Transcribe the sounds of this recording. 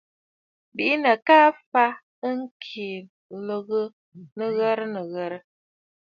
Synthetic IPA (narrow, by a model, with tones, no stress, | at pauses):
bi˨˦nə˨ka˦fa˦ | ə˦ŋ̩˦kʰi˨ | lə˨ɣə˦ | nə˨ɣə˦ɾə˦nə˨ɣə˨ɾə˦